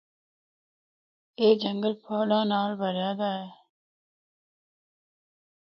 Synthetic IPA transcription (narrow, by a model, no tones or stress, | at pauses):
eːd͡ʒɐŋɡəlpʰoːlaːnaːlbɐɾaːd̪aːe